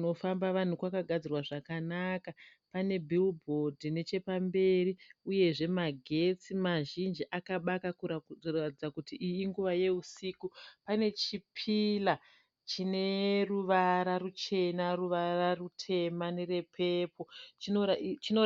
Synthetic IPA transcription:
no̞fambaʋan̤ukwakaɡʱad͡zirwaʐakanaka | pane̞bʱilbʱo̞dʱine̞t͡ʃe̞pambe̞riuje̞ʐe̞maɡʱe̞t͡simaʒind͡ʒiʔakaɓakakuratid͡zakutiʔijiŋɡuʋaje̞usiːkupane̞t͡ʃipʰila | t͡ʃine̞ruʋaɾarut͡ʃe̞naruʋararutʰe̞manere̞pʰe̞po̞t͡ʃinot͡ʃino

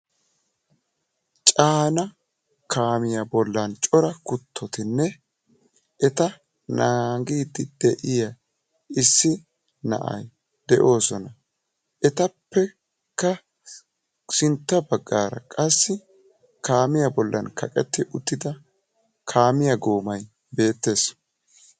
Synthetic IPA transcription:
t͡ʃʼaːnɐ | kʰaːmɪjɐbɔlːɐnt͡ʃʼɔɾɐkʊt̪ʰːɔt̪ɪnːɛ | ʔɛt̪ɐ | naːɡiːd̪ɪd̪̥ɛʔɪjɐ | ɪsːɪ | nɐ̰ʔɐ̰j | d̪̥ɛʔo̞ːsɔnɐ | ʔɛt̪ɐpːɛ | kːɐ | sɪnt̪ːɐbɐɡːaːɾɐ̰kʼɐsːɪ | kaːmɪjɐbɔlːɐnkʰɐkʼɛt̪ːɪʔʊt̪ːɪd̪ɐ | kʰaːmɪjɐɡoːmɐj | be̞ːt̪ːe̞ːs

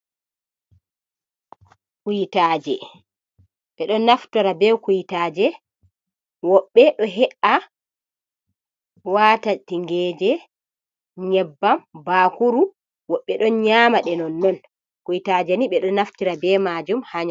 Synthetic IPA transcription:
kujitaːd͡ʒɛ | ɓɛɗɔnaftuɾabɛkujitaːd͡ʒɛ | wɔɓːɛɗɔɦɛʔa | watatiŋɡɛd͡ʒɛ | ɲɛbːambaːkuɾu | wɔɓːɛɗɔnɲaːmaɗɛnɔnːɔn | kujitaːd͡ʒɛniɓɛɗɔnaftiɾabɛmad͡ʒumhaɲa

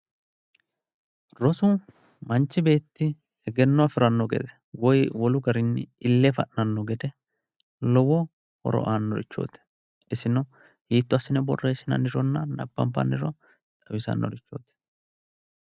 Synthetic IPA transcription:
ɾɔsʊ | mɐnt͡ʃːɪbe̞ːt̪ːɪ | ɛɡɛnːɔɐfɪɾɐnːɔɡɛ̰d̪ɛ | wɔjwɔlʊɡɐɾɪnːɪ̰ɪlːefɐʔnɐnːɔɡɛd̪ɛ | lɔwɔ | hɔ̰ɾɔ̰ʔaːnːɔɾɪt͡ʃːo̰ːt̪ɛ̥ | ɪsɪnɔ | hiːt̪ːʊɐsːɪnɛbɔ̰rːeːsɪnɐ̰nɪɾɔnːɐnɐ̰pːɐmpːɐ̰nːɪɾɔ | t̪ʼɐwɪsɐ̰nːɔ̰ɾɪt͡ʃːo̞̰ːt̪ɛ̥

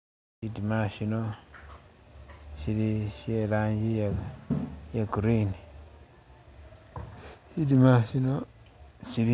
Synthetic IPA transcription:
ʃitimaʃino | ʃiliʃelaːɲɟija | jekuɾini | ʃitimaʃino | ʃili

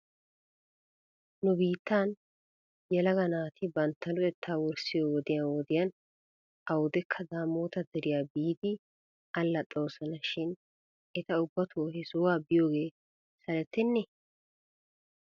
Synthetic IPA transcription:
nʊbiːt̪ːaːn | jɛlɐɡɐnaːt̪ɪbɐnt̪ːɐlʊɛt̪ʰːaːwɔɾsɪjoːwɔd̪ɪjɐnwɔd̪ɪjɐn | ɐwʊd̪ɛkʰːɐd̪aːmoːt̪ɐd̪ɛɾɪjaːbiːd̪ɪ | ɐlːɐt̪ʼoːsɐnɐʃɪn | ɛt̪ɐʊbːɐt̪ʰoːhɛsowaːbɪjo̞ːɡe̞ː | sɐlɛt̪ːɛnːɛ

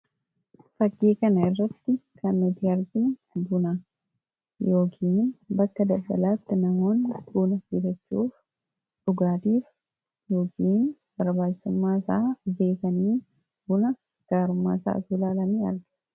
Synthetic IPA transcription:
fɐɡːeːkɐnɐɪrːɐt̪ːɪkʰɐnːɔt̪iːɐɾɡɪnb̪ʊna | jo̞ːkʰiːnnbɐkːɐd̪ɐlɡɐ̰laːt̪ːɪnɐmo̞ːnduːnɐɡɪd̪ɐt͡ʃːuːf | ᶑʊɡaːt̪iːf | jo̞ːkʰiːn | b̥ɐɾbaːd͡ʒɪ̥sʊmːaːsa̰ːbe̞ːkɐniː | bʊnɐ | ɡ̥aːɾʊmːa̰ːsa̰ːt̪ulaːlɐniːɐ̰ɾɡɪ̥

